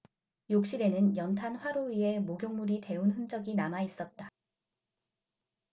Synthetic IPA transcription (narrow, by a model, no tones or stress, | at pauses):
jok̚ɕ͈iɾe̞nɯnjʌntʰanɸwaɾoie̞moɡʲjoŋmuɾite̞unɦɯnd͡ʑʌɡinamais͈ʌt̚t͈a